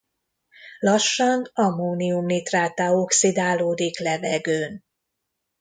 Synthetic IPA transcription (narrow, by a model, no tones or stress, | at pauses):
lɒʃːɒnɒmoːniumnit̪raːt̪aoksid̪aːloːd̪iklɛvɛɡøːn